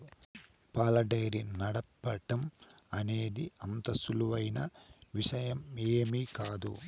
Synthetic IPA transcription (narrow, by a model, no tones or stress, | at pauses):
paːlɐɖɐjɾinɐɽɐpːɐʈɐmɐneːd̪iɐnt̪ɐsuluʋɐjnɐʋiʂɐjɐmeːmiːkaːd̪ṵ